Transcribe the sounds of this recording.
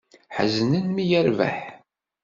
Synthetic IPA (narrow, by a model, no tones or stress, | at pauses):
ħə̰znənmijəɾvæ̰ħ